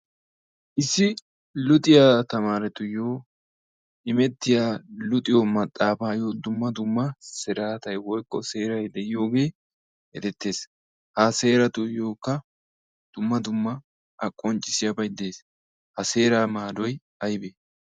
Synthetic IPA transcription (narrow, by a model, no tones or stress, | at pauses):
ʔɪsːɪ | lʊt̪ʼɪjaːt̪ɐmaːɾɛt̪ʊjo̞ː | ɪmɛt̪ːɪjaːlʊt̪ʼɪjomɐt̪ʼːaːfaːjoːd̪ʊmːɐd̪ʊmːɐsɛɾaːt̪ɐjwɔjkʼːɔse̞ːɾɐjd̪ɛjɪjo̞ːɡe̞ː | hɛ̰d̪ɛt̪ːe̞ːs | hase̞ːɾɐt̪ʊjo̞ːkːɐ | d̪̥ʊmːɐd̪ʊmːɐ | ɐkʼːɔnt͡ʃʼːɪsɪjɐbɐjd̪eːs | hɐse̞ːɾaːmaːd̪ɔj | ɐjbeː